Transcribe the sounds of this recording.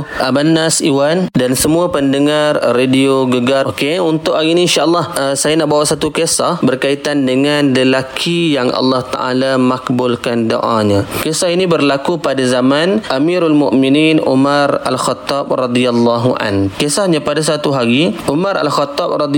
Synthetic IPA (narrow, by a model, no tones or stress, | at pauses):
ʔabanːasiwandansəmuapəndəŋarːedioɡəɡaokeunt̪ʊʔhaɣininʃaʔlːɑhəsajanaʔbawaʔsat̪ukesahbərkait̪andəŋanləlakʰijaŋʔa̰lːɑht̪a̰ʔa̰lamakbʊlkando̰ʔa̰ɲakesahinibərlakupadazamanʔamiɾalmʊ̰ʔmininʔṵmaɾa̰lxɔt̪ːɑb̚rɑd̪ialːɑɦuʔa̰nkesahɲapadas̬at̪uɦaɣiʔumaɾa̰lxɔt̪ːɑb̚rɑd̪